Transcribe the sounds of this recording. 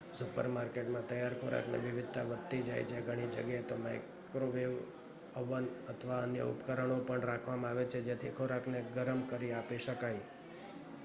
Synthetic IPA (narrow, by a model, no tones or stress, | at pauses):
supə̰ɾmaɾkeʈmãt̪əjaɾkʰoɾa̰knḛʋɪʋɪd̪̚ʱt̪a̰ʋət̪̚t̪ːid͡ʒa̰jt͡ʃʰeɡʱəɽ̃id͡ʒəɡjaet̪omaj | kɾoʋeʋ | əʋənət̪ʰəʋaənjə̰ṵpkəɾəɳ̃opəɳɾakʰʋamãaʋet͡ʃʰed͡ʒet̪ʰikʰoɾakʰneɡəɾəmkəɾiapiʃəkaj